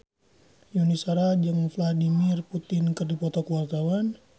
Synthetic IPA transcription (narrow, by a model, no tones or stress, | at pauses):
junisaɾad͡ʒəŋfladimɪrput̪ɪnkərdipɔt̪akəwart̪awan